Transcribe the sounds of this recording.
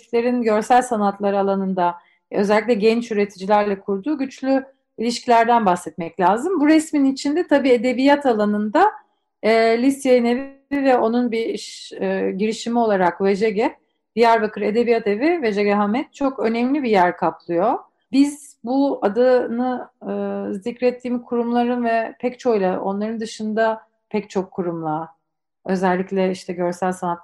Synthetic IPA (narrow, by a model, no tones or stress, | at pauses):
t̪lʲe̞ɾinɟø̞ɾsælʲsanat̪lˠaɾɯalˠanɯnd̪a | ø̞zɛlʲːic̬lʲɛɟɛnt͡ʃyɾe̞t̪ʰid͡ʒilʲæɾlʲɛkʰuɾd̪uːɟyt͡ʃlʲy | ilʲiʃcʰilʲæɾd̪ænbaxsɛt̪mɛclʲaːzɯmbuɾɛsminit͡ʃʰind̪ɛt̪ʰabiːe̞d̪e̞bijat̪ʰalˠanɯnd̪aː | lʲisjejinev | ivɛo̞nunbiʃɟiɾiʃimio̞lˠaɾakvɛd͡ʒeɟɛ | bijæɾvakʰɯɾe̞d̪e̞bijat̪e̞vived͡ʒeɡɛɦamɛt̪̚t͡ʃʰo̞kø̞nɛmlʲibijæɾkʰaplˠɯjo̞ | biz | buad̪anɯɯːzicɾɛt̪ʰːiːmkʰuɾumlˠaɾɯnvɛpʰɛct͡ʃʰo̞jlˠaʔo̞̰nlˠaɾɯnd̪ɯʃɯnd̪a | pʰɛct͡ʃʰo̞kʰːuɾumlˠa | ø̞zælʲːicʲlʲɛiʃt̪ʰɛɟø̞ɾsælʲsanat̪